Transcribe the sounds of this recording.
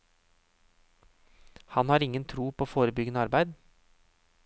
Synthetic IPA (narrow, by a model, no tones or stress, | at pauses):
hɑnhɑːɾɪŋənt̪ʰɾuːpʰooːfoːɾəbʏɡənəɑɾbæɪd̪